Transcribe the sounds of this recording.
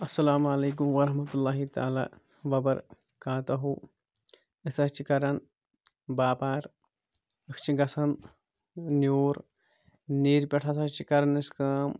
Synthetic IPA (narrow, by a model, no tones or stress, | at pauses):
ɐsːɐlaːmɐleːk̬umʋɐɾɐɦmɐt̪ulːaːɦit̪a̰ːla̰ː | ʋɐbɐɾ | kaːt̪ɐɦuː | ɪsɐt͡ʃikɐɾɐn | baːpaːɾ | ɐkʰt͡ʃʰiɡɐsʰɐn | njoːɾ | niːɾpʲɐʈʰɐsɐt͡ʃikɐɾɐniskaːm